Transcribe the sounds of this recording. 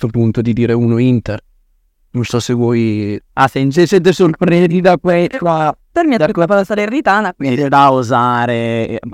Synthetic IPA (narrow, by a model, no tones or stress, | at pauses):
t̪ɾopunt̪od̪id̪iːɾeuːnoint̪er | nonsɔsːevwɔjasɛnt͡ʃesed̪esolpɾed̪id̪akwɛt͡ʃapeɾmid̪aɾkoepɔesaɾerit̪aːnakwind̪id̪auzaːɾe